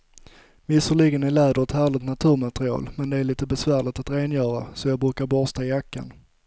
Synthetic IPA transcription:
vɪsəɭiɡənælɛːd̪əɾɛt̪hæːɭɪt̪nat̪ʰʉ̟ːɾmat̪ɾɪɑ̰ːlmɛnd̪ɛæːɾɭiːt̪əbɛsvæːɾɭɪt̪at̪ɾeːnjœːɾasɔjɑːɡbɾʉ̟ːkaɾbɔst̪aɪjakːa̰n

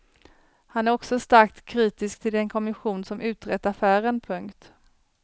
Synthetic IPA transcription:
hanæɾɔksɔst̪aɾk̚t̪kʰːɾiːt̪ɪskt̪ʰɪld̪ɛnkʰɔmɪɧuːnsɔmʔʉ̟ːt̪ɾɛt̪ːafæːɾənpʰɵŋkt̪

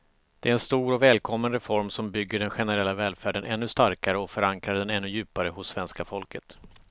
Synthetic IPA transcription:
d̪̥ɛæɾɛnst̪uːɾɔvɛːlkʰɔmːənɾɛfɔɾmsɔmbʏɡːəɖɛnɧɛnəɾɛlːavɛːlfæːɖənʔɛnːɵst̪aɾkaɾəɔfœɾaŋkɾaɖɛnɛnːɵjʉ̟ːpaɾəɦʊsːvɛnskafɔlkət̪

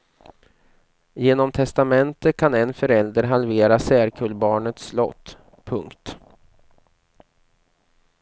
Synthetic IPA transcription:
jeːnɔmt̪ʰɛst̪amɛnt̪ət̪̚kʰanɛnfœɾɛld̪əɾɦalveːɾasæːɾkʰɵlːbɑːɳət̪slɔ̰t̪ː | pʰɵŋkt̪

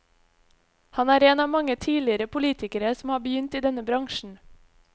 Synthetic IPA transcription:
hɑnæːɾeːnɑːmɑŋət̪ʰiːlɪəɾəpʰʊliːt̪ɪkəɾəsm̩hɑːbəjʏnt̪iːd̪ɛnəbɾɑŋʃɳ̩

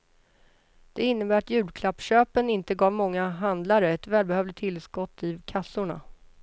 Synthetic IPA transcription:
d̪̥ɛɪnːəbæːɾat̪jʉ̟ːd̪kʰlapːɕøːpənɪnt̪əɡɑːvmɔŋːaɦand̪laɾəɛt̪vɛːlbɛhœːvlɪt̪ʰːɪlskɔt̪ʰːɪvkʰasːʊɳa̰

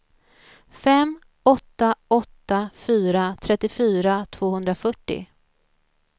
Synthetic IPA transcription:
fɛm | ɔt̪ːaɔt̪ːafyːɾat̪ʰɾɛt̪ːɪfyːɾat̪ʰv̥oːhɵnd̪ɾafœʈːɪ̰

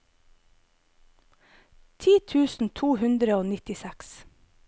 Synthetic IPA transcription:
t̪ʰiːt̪ʰʉːsn̩t̪ʰuːhʉnd̪ɾəoːnɪt̪ɪsæks

